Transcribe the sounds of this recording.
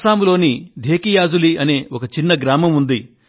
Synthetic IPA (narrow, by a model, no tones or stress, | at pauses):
saːmlo̞ːnid̪ʱe̞ːkijaːd͡ʒuliɐne̞ːokɐt͡ʃinːɐɡɾaːmɐmund̪i